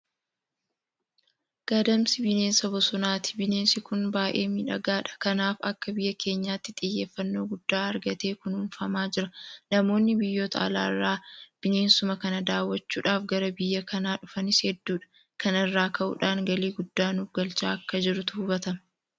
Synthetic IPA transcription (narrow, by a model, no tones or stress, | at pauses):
ɡ̥ad̪ɐmsɪbɪne̞ːnsɐbɔsɔnaːt̪ɪ̥bɪne̞ːnsɪkʊnbaːʔe̞ːmiᶑɐ̰ɡaːᶑɐ̥kɐnaːfɐkːɐbɪjːɐke̞ːɲːaːt̪ːɪt̪ʼɪjːe̞ːfːɐnːo̞ːɡʊd̪̥ːaːɐɾɡɐt̪e̞ːkʊnʊːnfɐmaːd͡ʒɪɾɐnɐmo̞ːnːɪbɪjːo̞ːt̪ɐ̰ɐ̰la̰ːɪrːaːb̥ɪne̞ːnsʊmɐkɐnɐd̪aːwːɐt͡ʃːuːᶑaːfɡɐɾɐbɪjːɐkʰɐnaːᶑʊfɐnɪshɛd̪ːuːᶑɐ̥ | kɐnɛrːaːkʰɐʔṵːᶑaːŋɡɐliːɡʊd̪ːaːnʊfɡɐlt͡ʃaːɐkːɐd͡ʒɪɾʊt̪ʊhʊbɐt̪ɐm